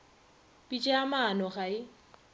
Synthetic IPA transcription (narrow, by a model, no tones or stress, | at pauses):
pʼit͡ʃʼɪamaːnɔɣaɪ